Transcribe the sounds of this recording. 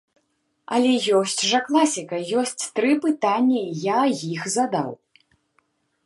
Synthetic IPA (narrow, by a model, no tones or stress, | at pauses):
ɐlʲɛjɔsʲt͡sʲʐɐklˠasʲikɐjɔsʲt͡sʲt̪ɾɨpɨt̪anʲːɐjajixzad̪a̰w